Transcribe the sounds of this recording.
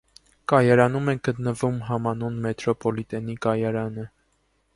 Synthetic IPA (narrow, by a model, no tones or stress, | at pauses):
kɑjɑɾɑnumɛɡ̥ət̪nəvumɦɑmɑnunmɛt̪ɾɔpɔlit̪ɛnikɑjɑɾɑnə